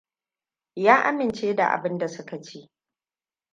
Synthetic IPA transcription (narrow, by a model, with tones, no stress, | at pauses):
jaː˦ʔa˦mɪ˨nt͡ʃeː˦da̰˨ʔa̰˨bɪ˦nda˨sʊ˦ka˨t͡ʃeː˦